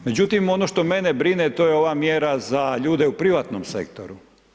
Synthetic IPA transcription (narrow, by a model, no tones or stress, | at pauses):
me̞d͡ʑut̪imo̞noʃt̪o̞me̞nebɾinet̪o̞jeo̞ʋaːmjeɾazaʎuːd̪eupɾiʋat̪nomsḛk̚t̪o̰ɾu